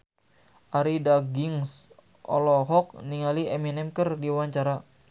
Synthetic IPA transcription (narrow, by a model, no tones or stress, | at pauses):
ʔaɾidaɡiŋs | ʔɔ̰lɔɦɔk̚niŋaliɛminɛmkərdiwaɲt͡ʃaɾa